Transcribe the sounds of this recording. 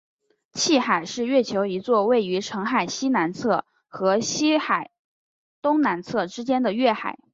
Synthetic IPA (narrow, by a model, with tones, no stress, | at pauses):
t͡ɕʰi˥˩xa˨˩ɪʂɻ̩˥˧ɥɛ˥˩t͡ɕʰjo˧˥ʊi˧˥t͡swɔ˥˧we˥˩ɪy˧˥ʈ͡ʂʰɤ˧˥ŋxa˨˩ɪɕi˥na˧˥nt͡sʰɤ˥˩ | xɤ˧˥ɕi˥xa˨˩ɪ | t̪ʊ˥ŋna˧˥nt͡sʰɤ˥˩ʈ͡ʂɻ̩˥t͡ɕjɛ˥nd̪ə˨ɥɛ˥˩xa̰˨˩ɪ